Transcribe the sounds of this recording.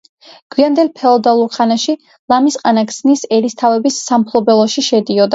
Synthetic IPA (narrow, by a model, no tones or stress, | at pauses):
ɡ̥wiand̪ɛlˠpʰɛɔd̪alˠuɾχanaʃi | lˠamisqʼanakʰsnisɛɾist̪ʰavɛbisːampʰlˠɔbɛlˠɔʃiʃɛd̪iɔd̪a